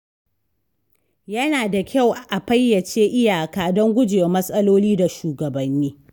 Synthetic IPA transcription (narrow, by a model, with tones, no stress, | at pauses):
jɐ˦naː˨da˨kʲa˦˨wʔʔa˨ɸɐ˦jːɐ˨t͡ʃeː˦ʔɪ˦jaː˨kaː˨˦dɔ˦ŋɡʷʊ˦d͡ʒɪ˨a˨mɐ˦sʼɐ˦loː˦liː˦da˨ʃuː˨ɡɐ˨bɐ˨nːiː˦